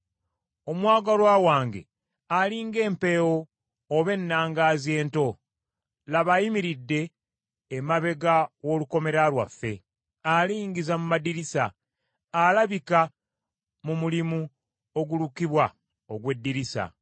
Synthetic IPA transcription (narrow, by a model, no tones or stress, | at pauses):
o̞mwaːɡalwaːwaːŋɡe̞̰ | aliːŋɡe̞ːmpe̞ːwoː | βe̞nːaːŋɡaːzje̞ːnto̞ | laβajimiɾidːe̞ː | maβe̞ɡawo̞luko̞me̞ɾalwafːe̞̰ | aliːŋɡizamumadiɾisaː | laβika | mumulimu | o̞ɡulukiβwa | oɡwe̞dːiɾisa̰